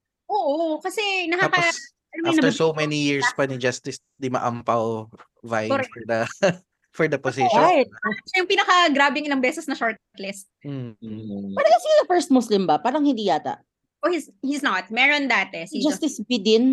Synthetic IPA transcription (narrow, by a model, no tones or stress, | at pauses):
ʔoːʔokɐsɛnɐhakɐ | ɐnmaɐɐɛɹsowmɛnijiɹspɐnid͡ʒast̪ɪs | d̪ɪmɐ̰ʔɐ̰mpɐw | vajfɔɹd̪ɐ | fɔɹd̪ɐposɪʃajt̪̚ɛjʊŋpiːnɐkɐɡɾaːbɪŋɪlɐŋbɛːsɛsnɐʃoɹt̪̚t̪lɪst̪̩̚ | pɐɾɐɐsijd̪ɐfɛɹst̪̚mʊslɪmbɐpaːɾɐŋhɪnd̪iːjaːt̪a̰ʔ | ʔohishiznɐt̪̚mɛɹond̪aːt̪ɛshid͡ʒast̪ɪsbɪd̪ɪn